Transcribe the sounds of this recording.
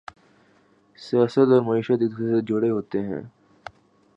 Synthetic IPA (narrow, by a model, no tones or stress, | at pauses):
sijaːsət̪ɔːɾmɐiːʃət̪ɪt̪esed͡ʒoɽeɦoːt̪eɦɛ̰̃ː